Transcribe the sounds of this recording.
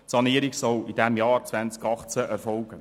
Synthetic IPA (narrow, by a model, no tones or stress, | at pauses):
tsɑniːəɾiɡsɔlid̥ɛmjɑːɾt͡sʋænt͡skɑχt͡səʔɛɾfɔlɡ̥ə